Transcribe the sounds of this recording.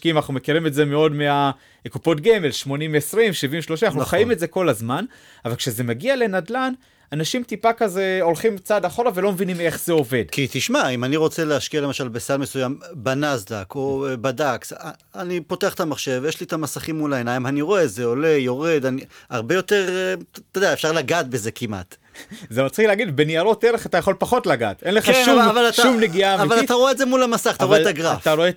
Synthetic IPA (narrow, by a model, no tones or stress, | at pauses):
kimanaχnume̞kiʁimetze̞meo̞dmea | kupo̞tɡemelʃmo̞nimvesʁimʃivimveʃlo̞ʃanaχuuχajimetze̞ko̞lazman | avalkʃeze̞maɡiale̞nadlan | anaʃimtipakaze̞o̞lχimt͡sadaχo̞ʁavelo̞mevinime̞χz̥e̞o̞ve̞dkit̪iʃmaimaniʁo̞t͡se̞leaʃkialemaʃalbesalmesujambanazd̪akobadaks | anipo̞te̞aχt̪amaχʃe̞vjeʃliet̪amasaχimːulaenaimaniʁo̞ezeo̞le̞jo̞ʁe̞d̪aniaʁbe̞jo̞te̞ʁt̪odeaefʃaʁlaɡat̚beze̞kimʔa̰t̪ | zemat͡sχileaɡid̪beniaɾo̞teɾeχatajaχo̞lpaχo̞tlaɡa̰tenleχkeʃavalataʃumleɡiamavalat̪aʁoetzemulamasaχat̪aʁoetaɡʁafaɾoe